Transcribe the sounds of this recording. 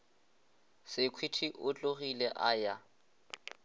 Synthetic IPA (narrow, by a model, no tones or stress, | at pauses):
sɪkʰwitʰiʔʊt͡ɬʼoɣilɛʔaja